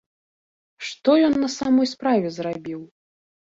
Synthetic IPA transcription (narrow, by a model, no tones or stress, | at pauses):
ʂt̪ɔjɔnːɐsamɔjspɾavʲɛzrabʲiw